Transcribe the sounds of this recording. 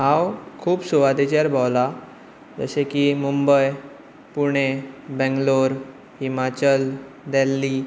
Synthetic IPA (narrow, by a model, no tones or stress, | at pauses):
ɦãwkʰuːpsɔʋad̪et͡ɕaɾbʱawla | d͡zə̰sekimumbəj | puɽ̃ebɛ̃ŋɡloɾ | himat͡ɕəl | d̪ɛlːi